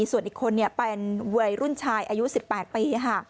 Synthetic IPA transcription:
su˨˩ənʔiː˨˩kʰːo˧nːi˥˩ɐpe˧nwɯ˧˩əjɾu˥˩nt͡ɕʰaː˧jʔaː˧ju˦˥si˨˩pːɛː˨˩t̪̚piː˧kʰa˥˩

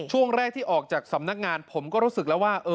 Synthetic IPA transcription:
t͡ɕʰu˥˩əŋɾɛː˥˩k̚t̪ʰiː˥˩ʔɔː˨˩k̚t͡ɕaː˨˩k̚sa˩˦mna˦˥k̚ŋaː˧npʰo˩˦mkɔː˥˩ɾuː˦˥sɯ˨˩k̚lɛː˦˥waː˥˩ʔɤː˧

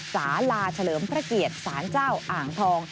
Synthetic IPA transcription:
saː˩˦laː˧t͡ɕʰa˧lɤː˩˦mpʰɾa˦˥ki˨˩ət̪̚saː˩˦nt͡ɕaː˥˩wʔaː˨˩ŋt̪ʰɔː˧ŋ

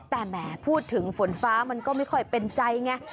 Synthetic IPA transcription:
t̪ɛː˨˩mɛː˩˦pʰuː˥˩t̪ʰːɯ˩˦ŋfo˩˦nfaː˦˥ma˧nkɔː˥˩ma˥˩jkʰɔ˥˩jpe˧nt͡ɕa˧jŋa˦˥

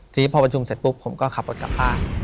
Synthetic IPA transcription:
t̪ʰiː˨˦˥pʰɔː˧pɾa˧t͡ɕʰu˧mse˨˩t̪̚pu˦˥pʰːo˩˦mkɔː˥˩kʰa˨˩pːo˨˩t̪̚ka˨˩p̚haː˥˩

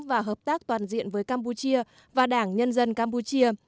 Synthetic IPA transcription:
vaː˨˩ɦəː˨˩p̚t̪aː˦˥k̚t̪waː˨˩nzḭ˧˨ənvəː˨˦jkaː˧mpu˧t͡ɕi˧ə | vaː˨˩ɗaː˧˩ŋɲə˧nzə˧nkaː˧mpu˧t͡ɕi˧ə

